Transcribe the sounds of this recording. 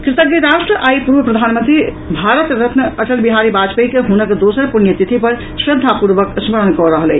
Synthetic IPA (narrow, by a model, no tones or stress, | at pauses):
kɾit̪əɡɡiɾaʃʈɾəʔajpuɾʋəpɾəd̪ʱanmənt̪ɾi | bʱaɾət̪ɾət̪nəəʈəlbiɦaɾibad͡ʒpejkeɦunəkd̪osəɾpunjət̪it̪ʰipəɾ | sɾəd̪ʱːapuɾbəksməɾənkɔɾəɦəlɛ̰